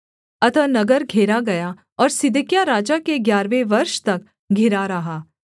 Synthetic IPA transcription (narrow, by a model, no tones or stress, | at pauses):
ɐt̪ənɐɡəɾɡʱeːɾaɡɐja | ɔːɾsɪd̪ɪkjaɾaːd͡ʒakeɡjaːɾʋeʋɐɾʃt̪ɐk | ɡʱɪɾaɾɐɦaː